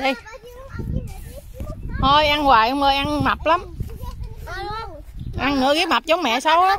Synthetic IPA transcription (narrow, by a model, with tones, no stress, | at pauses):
ɗi˧˩j | ho˧jʔa˧nɣwaː˨˩jʔə˧wŋ͡mʔəː˧˩jʔa˧nma˨˩p̚la˨˦m | ʔa˧nnɨ̰˧˥əɣi˦˥ma˨˩p̚zə˨˦ŋ͡mmɛ̰˧˨saː˧w